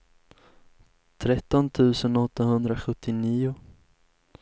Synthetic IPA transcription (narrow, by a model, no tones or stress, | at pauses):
t̪ʰɾɛt̪ːɔnt̪ʰʉ̟ːsənɔt̪ːahɵnd̪ɾaɧɵt̪ʰːɪniːʊ